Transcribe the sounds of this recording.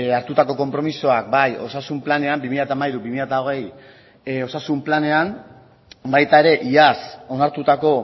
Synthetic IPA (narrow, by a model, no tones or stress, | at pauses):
aɾt̪ut̪ako̞ko̞mpɾomisoak̚bajo̞sasumplane̞ambimiʎat̪amaiɾubimiʎat̪ao̞ɣ̞e̞j | o̞sasumplane̞am | bajt̪ae̞ɾe̞ʔiaso̞naɾt̪ut̪ako̞